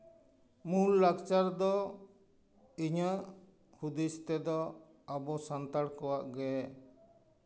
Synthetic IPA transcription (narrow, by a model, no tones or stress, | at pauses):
mulːakt͡ʃaɾd̪ɔ | iɲəʔ | hud̪ist̪ɛd̪ɔ | abɔsant̪aɽkɔwaʔɡɛ